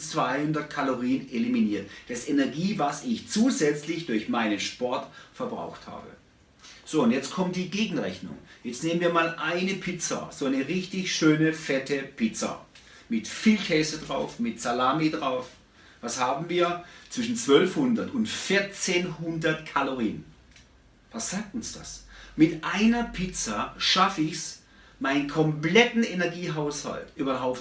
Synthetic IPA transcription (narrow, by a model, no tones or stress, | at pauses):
t͡sv̥aɪhʊndɐtkʰaloʁiːəneliminiːɐtd̥asʔenɛɐɡiːvasɪçt͡suːzɛt͡slɪçd̥ʊɐçmaɪnənʃpɔɐtfɛɐbʁa̰ʊxtha̰ːbə̰ | z̥oːʊntjɛt͡stkʰɔmt̚d̥iːɡeːɡŋ̩ʁɛçnʊ̰ŋjɛt͡stneːmənviːɐmaːlʔaɪnəpʰɪt͡sɐ̰z̥oanəʁɪçtɪçʃøːnəfɛtəpʰɪt͡sɐ̰ | mɪtfiːlkʰɛːsədʁaʊfmɪtsalaːmidʁaʊf | vashaːbm̩viːɐt͡sv̥ɪʃn̩t͡sv̥œlfhʊndɐtʊntfɪɐt͡seːnhʊndɐtkʰaloʁiːn | vasz̥aːk̚tʊnsd̥a̰smɪtʔaɪnɐpʰɪt͡saʃafɪçs | maɪnənkʰɔmplɛtn̩enɛɐɡiːɦaʊsha̰ltʔyːbɐɦaʊp